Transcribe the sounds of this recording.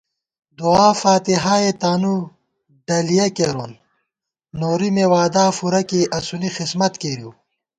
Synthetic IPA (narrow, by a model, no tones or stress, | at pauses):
d̪uaːfaːt̪iɦaːet̪aːnu | ɖɐlijɐkeːɾoːnː | oːɾimewaːd̪aːfuɾɐkiʔɐsunixismɐt̪keɾiw